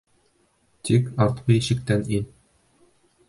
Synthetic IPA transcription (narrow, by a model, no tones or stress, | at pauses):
t̪ʰikɑɾt̪qɤjɘ̆ɕɘ̆k̚t̪ænin